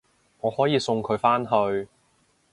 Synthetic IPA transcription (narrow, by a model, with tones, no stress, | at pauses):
ŋɔː˨˧hɔː˨˥jiː˨˧sʊ˧ŋkʰɵ˨˧ɥfaː˥nɦɵ˧ɥ